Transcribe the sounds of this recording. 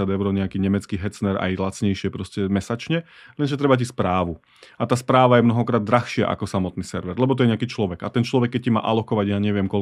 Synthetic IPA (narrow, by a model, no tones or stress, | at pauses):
ad̪ɛʊɾɔɲɛakiːɲɛmɛt͡skiːɦɛt͡snɛɾa̰jlat͡sɲɛjʃɪɛpɾɔscɛmɛsat͡ʃɲɛlɛnʒɛt̪ɾɛbac̬ispɾaːʋu | at̪aːspɾaːʋajɛmnɔɦɔkɾaːd̪̚ːɾaxʃɪa̰ʔa̰kɔsamɔt̪niːsɛɾʋɛɾlɛbɔt̪̬ɔjɛɲɛakiːt͡ʃlɔʋɛɡat̪ɛnt͡ʃlɔʋɛkːɛc̚cima̰ːʔalɔkɔʋaɟjaːɲɛʋɪɛmkɔl